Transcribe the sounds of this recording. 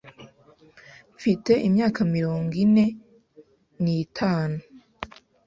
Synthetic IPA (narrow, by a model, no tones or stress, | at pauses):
fite̞ʔimɲaːkamiɾoːŋɡine̞ | nitʰaːnu